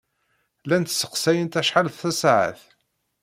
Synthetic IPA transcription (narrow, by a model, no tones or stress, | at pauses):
lænt̪sə̥qsæjənt̪æʃħalθːæsʕə̰θ